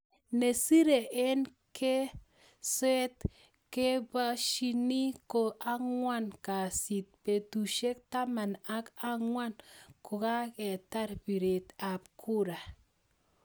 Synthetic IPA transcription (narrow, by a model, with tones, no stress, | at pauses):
ne˨si˦ɾe˨e˦n | ke˦ | se˦t̪ | ke˦ba˦ʃi˦ni˦ko˨ʔa˦ŋwa˦nka˨si˨t̪̚pe˨t̪u˨ʃe˦k̚t̪a˦ma˨na˦ka˦ŋwa˦nko˨ka˦ke˨t̪a˦ɾbi˨ɾe˨t̪a˨p̚kʰu˦ɾa˨